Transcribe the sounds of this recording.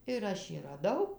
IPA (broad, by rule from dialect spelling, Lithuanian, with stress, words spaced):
ɪr ˈɐʃ jiː rɐˈdɐʊ